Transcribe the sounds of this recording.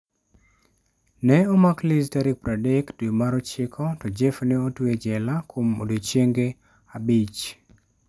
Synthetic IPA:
nɛɔmaklɪstaɾɪk̚pɾadektemaɾɔt͡ʃɪkʰɔtɔd͡ʒefneotwed͡ʒɛlakʰomo̰dot͡ʃjeŋɡe | abit͡ʃ

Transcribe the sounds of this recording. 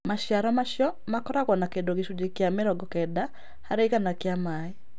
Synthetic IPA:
maʃjaɾɔmaʃjɔ | makɔɾaɣwɔnakendoɣeʃud͡ʒekjameɾɔɡɔkɛda | haɾeiɣanakjamae

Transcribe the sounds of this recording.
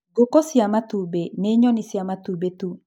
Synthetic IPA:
ɡokɔsjamatubeneɲɔnisjamatubetu

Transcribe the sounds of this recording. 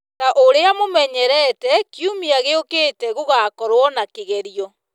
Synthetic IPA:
taʔoɾeamomɛɲɛɾɛtɛkjumiaɣeokeːtɛɣoɣakɔɾwɔnakeɣɛɾiɔ

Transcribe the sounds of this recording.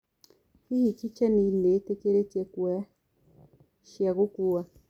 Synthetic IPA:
kiit͡ʃit͡ʃɛninetekeɾetɛkwɛ | ʃjaɣokua

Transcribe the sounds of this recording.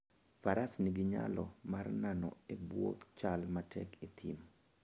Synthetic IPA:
faɾasniɡɪɲa̰lɔmarnanɔ̰ebwo̰k̪t͡ʃalmatʰɛ̰kʰit̪ʰim

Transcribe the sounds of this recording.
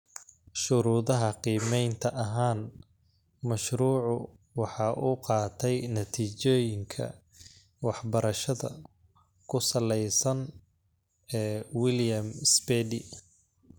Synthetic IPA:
ʃʊɾuːðɐɦɐqiːmɛjnt̪ʰɐʔɐɦaːn | mɐʃɾuːʕʊ | wɑħɑːʔuqɑːt̪ʰɛjnɐt̪ʰiːt͡ʃɔːjɪŋkʰɐ̰ | wɑħbɐɾɐʃɐðɐ̰ | kʰʊsɐlɛjsɐn | ɛːwɪljɐmsbɛd̪ɪ̰

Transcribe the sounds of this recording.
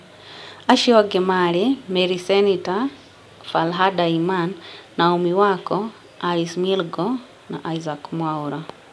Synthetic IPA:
aʃioɡemalimeɾisenita | falɦadaimanːaomiwako | alismilɡo | na̰ʔaizakmwauɾa

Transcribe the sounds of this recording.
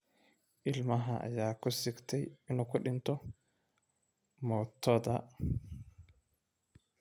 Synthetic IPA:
ʔɪlmɐɦɐʔɐ̰jaːkʰʊsɪɡt̪ʰɛjɪnuːkʰʊɖɪnt̪ʰɔ | mɔːt̪ʰɔðɐ

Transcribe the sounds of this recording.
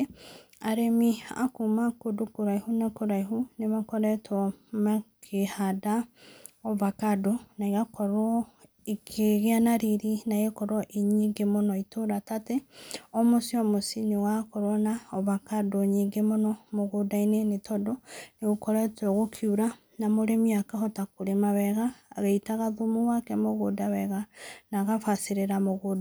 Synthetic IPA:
aɾemia̰kumakodokoɾaihunakoɾaiɦunemakɔɾɛtɔmakʰehada | ɔβakadonaiɣakɔɾɔ | ekʰeɣeanaɾiɾinaɣekɔɾwɔʔiɲiɡemonɔitoɾatateɔmosiɔmosinewakɔɾwɔnaɔβakadoːɲiŋɡemonɔmoɣodainenetɔdɔneɣokɔɾɛtɔɣokʰjuɾa | namoɾemiakahɔtakoɾemaβɛɣa̰ːɣeitaɣaðomuwakɛmoɣodawɛɣanaɣafasiɾeɾamoɣoda

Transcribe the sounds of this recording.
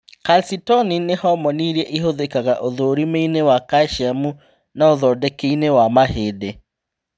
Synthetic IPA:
kalsitɔninehɔmɔniɾiɛʔiɦoðekaɣaʔoðoɾimeinewakaʃiamu | naoðɔːdɛkeinewamaheːde

